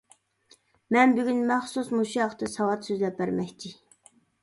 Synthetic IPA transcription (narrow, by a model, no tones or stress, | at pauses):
mɛnbyɡʲynmæχsusmuʃijɑχt̪ʰɨsɑwɑt̪søzlɛp̚bæɾmɛkʲt̪ʰɪ